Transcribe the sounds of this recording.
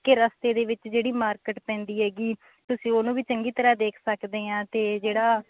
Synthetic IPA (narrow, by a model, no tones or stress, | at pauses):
keːɾəst̪eːd̪eːʋɪt͡ʃd͡ʒeːɽiːmaːɾkəʈpɛ̃ːnd̪iːɦɛːɡiː | t̪ʊsĩːoːnũːʋiːt͡ʃəŋɡiːt̪əɾaːd̪eːkʰsəkd̪eːãːt̪eːd͡ʒeːɽaː